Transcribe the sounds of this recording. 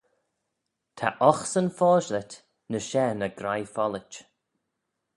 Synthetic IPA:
t̪ʰa̰ʔɔxsənfɔːʒlət̪ | nəʃɛːnəɡɾajfɔlət͡ʃ

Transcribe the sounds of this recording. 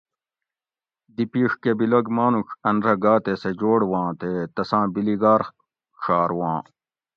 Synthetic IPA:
d̪ipiːʂkebilɐɡmaːnukɐnɾɐɡaːt̪esed͡ʑoːɽwãːt̪et̪ɐsãːbiliɡaːɾ | ʂaːɾwãː

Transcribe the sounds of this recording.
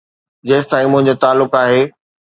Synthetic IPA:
d͡ʑeːsɪt̪ãːĩmʊ̃ɦɪ̃ɲ̆d͡ʑot̪aːlːʊkaːɦeː

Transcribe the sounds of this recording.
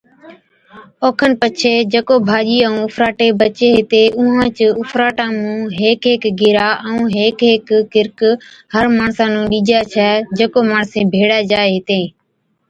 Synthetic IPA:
oːkʰənpət͡ʃʰeːd͡ʒeːkoːbʱaːʄiːəũːʊfɾaːʈeːbət͡ʃeːɦɪt̪eːʔʊɦãːt͡ʃəʊfɾaːʈãːmũːɦeːkɦeːkɡɪɾaːʔəũːɦeːkɦeːkːɪɾk | həɾmaːɳsãːnũːɗiːd͡ʒaːt͡ʃʰɛːd͡ʒeːkoːmaːɳsẽːbʱeːɽaːd͡ʒaːeɦɪt̪ẽː

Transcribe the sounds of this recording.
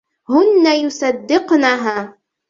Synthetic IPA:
hʊnːajʊsɑd̪ːɪqnaɦaː

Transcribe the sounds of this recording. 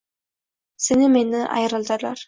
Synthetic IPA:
senimeniʔɑ̰jɾɑlˠd̪ɑlɑɾ

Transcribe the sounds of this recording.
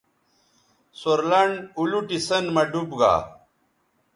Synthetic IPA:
soɾlɐɳɖuluʈisɐnmɐɖubɡa̰ː

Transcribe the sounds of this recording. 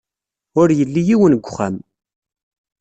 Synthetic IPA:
ʊɾjəlːijiwənɡʷːχæm

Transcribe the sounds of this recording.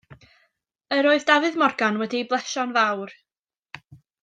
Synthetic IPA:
əɾoːɨðdavɨðmɔrɡanwɛdiblˠɛʃɔnvawr

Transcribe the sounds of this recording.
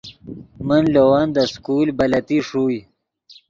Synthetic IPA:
mənlowand̪əskuːlbalat̪iʂuːj

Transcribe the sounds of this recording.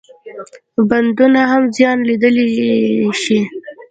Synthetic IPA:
band̪unaɦamzjɑnlid̪əli | ʃi

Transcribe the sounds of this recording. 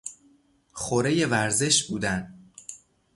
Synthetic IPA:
xoɾe̞je̞væɾze̞ʃbuːd̪æn

